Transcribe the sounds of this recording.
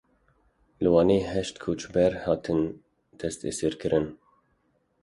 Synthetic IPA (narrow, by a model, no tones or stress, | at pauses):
lɨwɑːneːɦɛʃt̪kʰut͡ʃbɛɾhɑːt̪ʰɨn | d̪ʰɛst̪ḛsiɾkʰɨɾɨn